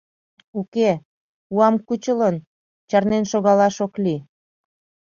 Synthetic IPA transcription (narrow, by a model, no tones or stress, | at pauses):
uke | uɑmkut͡ɕələn | t͡ɕɑrnenʃoɣɑlɑʃokli